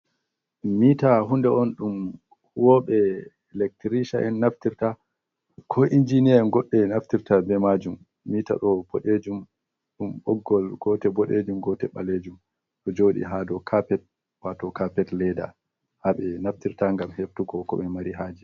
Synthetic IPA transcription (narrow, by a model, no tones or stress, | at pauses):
miːtaɦundɛɔnɗum | wɔːɓɛ | lɛk̚tiɾiʃaʔɛnːaftiɾta | kʰɔʔind͡ʒinianɡɔɗːɛnaftiɾtabɛmad͡ʒumː | ita̰ɗɔbɔɗed͡ʒum | ɗumɓɔɡːɔlɡ̥ɔtɛbɔɗed͡ʒumɡɔtɛɓa̰led͡ʒum | ɗɔd͡ʒoɗḭɦadɔkʰapɛt̚ | watɔkapɛtlɛda̰ | haɓɛnaftiɾtaŋɡamheftuɡɔkɔ̰ɓɛmaɾiɦaːd͡ʒi